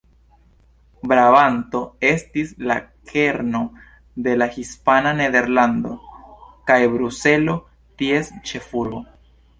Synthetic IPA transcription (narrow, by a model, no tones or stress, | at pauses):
bɾavanto̞e̞stislakʰe̞ɾno̞ | de̞lahispanane̞d̪e̞ɾland̪o̞kajbɾuse̞lo̞ | tie̞st͡ʃe̞fuɾbo̞